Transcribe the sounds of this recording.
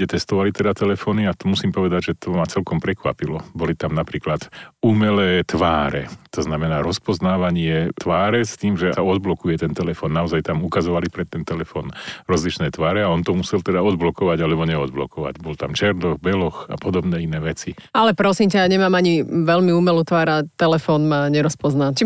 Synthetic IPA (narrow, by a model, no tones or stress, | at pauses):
ɟɛt̪ɛst̪ɔʋalit̪ɛd̪at̪ɛlɛfɔːniat̪ɔmusiːmpɔʋɛd̪aɟʒɛt̪ɔmat͡sɛlkɔmpɾɛkʋa̰pilɔbɔlit̪amnapɾiːklat̪umɛlɛːt̪ʋaːɾɛ̰t̪ɔznamɛnaːɾɔspɔznaːʋaɲɪɛt̪ʋaːɾɛst̪iːmʒɛaɔd̪̚blɔkujɛt̪ɛnt̪ɛlɛfɔːnːaɔzajt̪amukazɔʋalipɾɛt̪ːɛnt̪ɛlɛfɔːnɾɔzlit͡ʃnɛːt̪ʋaːɾɛaɔnt̪ɔmusɛlt̪ɛd̪aɔd̪̚blɔkɔʋaɟalɛbɔɲɛɔd̪blɔ̰kɔʋa̰ɟbɔlt̪amt͡ʃɛɾd̪ɔɣbɛlɔxa̰pɔd̪ɔbnɛːinɛːʋɛt͡sialɛpɾɔsiːmcaaɲɛmaːmaɲiʋɛlmiuːmɛlut̪ʋaːɾat̪ɛlɛfɔːnmaɲɛɾɔspɔznat͡ʃi